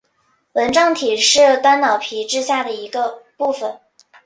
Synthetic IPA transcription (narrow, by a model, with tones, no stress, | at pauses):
wə˧˥nʈ͡ʂɑ˥˧ŋt̪ʰi˨˩ʂɻ̩˥˩t̪a˥nnɑ˨˩ʊpʰi˧˥ʈ͡ʂɻ̩˥ɕja˥˩d̪ə˩i˧˥ɡə˧pu˥˩fə˨˩n